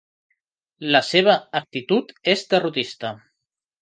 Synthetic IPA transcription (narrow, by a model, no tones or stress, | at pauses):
ləseβ̞əːk̚t̪it̪ut̪ezd̪ərut̪ist̪ə